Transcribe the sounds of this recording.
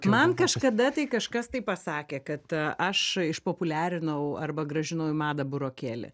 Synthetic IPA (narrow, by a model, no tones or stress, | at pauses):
mɐnkɐʃkɐd̪ɐt̪ɐɪkɐʃkɐst̪ɐɪpɐsɑːkʲeːkɐt̪ʔɐʃɪʃpoːpʊlʲæːɾʲɪnɐʊɐrbɐɡɾɐʒʲɪnɐʊjmɑːd̪ɐbʊɾoːkʲeːlʲɪ̰